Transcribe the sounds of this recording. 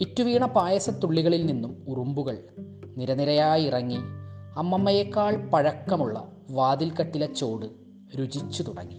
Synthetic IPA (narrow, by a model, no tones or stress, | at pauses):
itːuʋiːɳɐpaːjɐsɐt̪ːuɭːiɣɐɭilninːumurumbuɣɐɭ | niɾɐniɾɐjaːjirɐŋːiɐmːɐmːɐjɐkːaːɭpɐɻɐkːɐmuɭːɐ̰ | ʋaːd̪ilkɐʈːilɐt͡ɕːo̞ːɽɨ | ɾud͡ʑit͡ɕːut̪uɽɐ̰ŋːi